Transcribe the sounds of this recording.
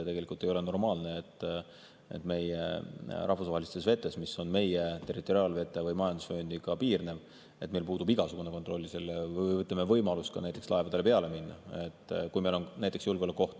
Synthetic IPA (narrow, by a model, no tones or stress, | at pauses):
t̪e̞ɡeikult̪e̞jo̞le̞no̞rmɑːlne̞et̪ːˑ | ḛt̪ːˑme̞jerɑhvusvɑɦelist̪esve̞t̪ːˑe̞smiso̞nme̞jet̪e̞rit̪ːˑo̞ɾiɑlve̞t̪ːˑevɯjmɑjɑnd̪usfoːnd̪ikɑpiːrne̞v | e̞̰t̪ːmelpuːd̪ubiɡ̥ɑsuɡ̥unekot̪ro̞lʲːiselːevɯjɯjvɤt̪lemevɤjmɑlust̪kɑ̰næjt̪ːˑe̞kslɑe̞vɑd̪e̞le̞pe̞ɑle̞minːɑ̰et̪ːˑkujmelo̞nnæjt̪ːˑeksjulɡeolekːˑo̞ht̪